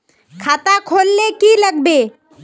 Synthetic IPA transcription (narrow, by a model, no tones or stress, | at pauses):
kʰaːt̪akʰoːlːekiləɡ̚be